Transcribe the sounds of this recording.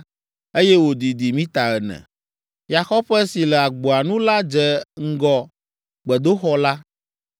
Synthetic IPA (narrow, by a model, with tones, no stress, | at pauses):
e˦jɛ˦wo˨d̪i˨d̪i˨mĩ˦t̪a˨ɛ˨nɛ̰̃˨ | ja˨xɔ˦ɸɛ˦si˨lɛ˨a˨ɡ͡bo˨a˨nũ˦la˦d͡ʒɛ˨ŋ̩˦ɡɔ˨ | ɡ͡bɛ˨d̪o˦xɔ˦la˦